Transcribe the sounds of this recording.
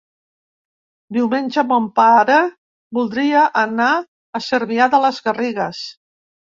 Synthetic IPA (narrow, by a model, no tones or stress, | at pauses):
d̪iwmenʲʒəβɔmpaɾə | bulˠd̪ɾiəʔənaː | səɾβiaðələzɣəriɣəs